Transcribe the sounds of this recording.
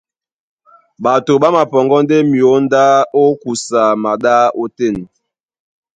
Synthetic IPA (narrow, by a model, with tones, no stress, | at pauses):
ɓa˨to˨ɓa˦ma˨pɔ˨ŋɡɔ˦nde˦mi˨o˨˦n˦da˦o˦ku˨sa˨ma˨da˦o˦te˦˨n˨